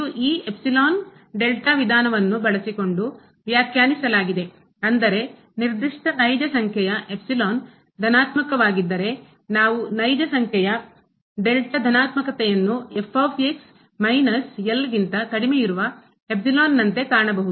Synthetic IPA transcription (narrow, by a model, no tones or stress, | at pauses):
uʔiːepsiloːn | ɖelʈaʋid̪ʱaːnɐʋɐnːubɐɭɐsiko̞ɳɖu | ʋjaːkʰjaːnisɐlaːɡid̪e̞ | ɐnd̪ɐɾe̞ | niɾd̪iʂʈɐnɐjd͡ʒɐsɐŋkʰjɛjɐʔe̞psiloːn | d̪ʱɐnaːt̪mɐkɐʋaːɡid̪ːɐɾe̞ | naːʋunɐjd͡ʒɐsɐŋkʰjɛjɐ | ɖelʈɐd̪ʱɐnaːt̪mɐkɐt̪ɛjɐnːuepʰːaːpeks | mɐjnɐselɡint̪ɐkɐɽimejiɾuʋɐ | ep̚siloːnːɐnt̪e̞kaːɾɳɐbɐɦud̪u